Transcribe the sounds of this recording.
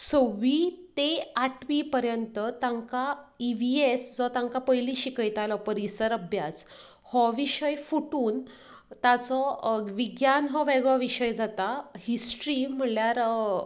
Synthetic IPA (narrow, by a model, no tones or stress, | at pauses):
səʋit̪eaʈʋipəɾjənt̪ət̪ãŋkaiʋiesd͡zɔt̪ãŋkapəjliɕikəjt̪alɔpəɾisəɾəbʱjas | hɔʋiɕəjfuʈuːn | t̪at͡sɔʋiɡjanɦɔʋeɡɭɔʋiɕəjd͡zat̪ahisʈɾim̤əljaɾ